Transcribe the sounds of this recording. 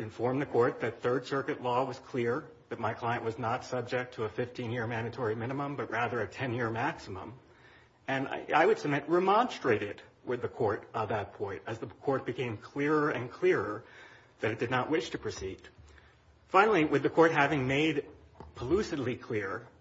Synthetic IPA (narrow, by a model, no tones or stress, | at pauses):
ɨ̃ɱfɔɹmðɨkʰɔɹt̪̚ðɨt̪̚θɜ˞d̥sɜ˞kɨtˡlɔwʌz̥kʰl̥ɪɹ | ðɨt̚maɪkʰl̥aɪɨ̃nʔwʌznətsʌb̚d͡ʒɨk̚tʰəəfɪftʰĩnjɪɹmæ̃ndɨtʰɔɹimɪ̃ñɨmə̃mbʌt̚ɹæðə˞ɨtʰɛ̃njɪɹmæksəmə̰̃m | ɨ̃n̰a̰ɪwɨd̥sɨmɪt̚ɹɨmɑ̃nstɹ̥eɪɾɪdwɨðɨkʰɔɹɾənðət̚pʰɔ̃ɪ̃ntɨzðəkʰɔɹt̚b̥ɨkʰẽɪ̃mkʰl̥ɪɹə˞ɨ̃nkʰl̥ɪɹə˞ | ðɨɾɨt̚d̥ɨdⁿnəʔwɪʃtʰɨpʰɹ̥ɨsid̥ | fãɪ̃nl̩ˠiwɨðɨkʰɔɹt̚ɦævɪ̃ŋmeɪd̚ | pʰəlʉsɨdˡlikʰl̥ɪɹ